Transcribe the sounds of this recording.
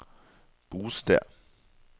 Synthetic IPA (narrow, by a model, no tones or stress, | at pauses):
b̥uːsd̥ɛɐ̰